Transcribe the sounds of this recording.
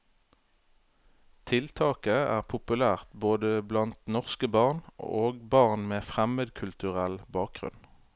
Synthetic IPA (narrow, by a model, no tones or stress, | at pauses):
t̪ʰɪlt̪ʰɑːkəæ̰ːʁpʰʊpʉlæːʁt̪boːd̪əblɑnt̪nɔʁskəbɑʁno̰ːɡbɑʁnmeːfʁɛməd̪kʰʉlt̪ʉʁɛlbɑːk̚ɡʁʉ̰n